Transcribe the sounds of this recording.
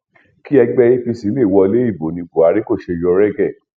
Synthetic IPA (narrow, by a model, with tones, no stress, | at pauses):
ki˦ɛ˧ɡ͡bɛ˧i˦fi˧si˨˦e˦˨wɔ˧le˨˦i˦˨bo˨nĩ˧bu˨a˨˦ɾi˦ko˦˨ʃe˧jɔ˧ɾɛ˦ɡɛ˦˨